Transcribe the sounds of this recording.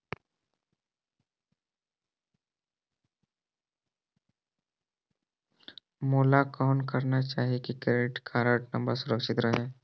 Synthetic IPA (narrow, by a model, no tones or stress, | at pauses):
moːlakawɳkəɾnat͡ʃaːɦikikɾeʈkʰaːɾəʈnəmbəɾsʊɾəkʃɪt̪ɾəɦe